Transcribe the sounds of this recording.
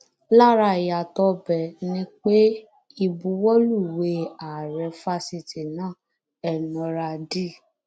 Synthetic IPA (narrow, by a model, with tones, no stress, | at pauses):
la˦˨ɾa˧˨ja˨tɔ˧˦bɛ˨nĩ˦k͡pe˦ | i˧bu˧wɔ˦lu˦˨we˨˦a˨ɾɛ˧fa˧si˧ti˨nãː˦˨ | ɛ˨nɔ̃˧ɾa˧di˦˨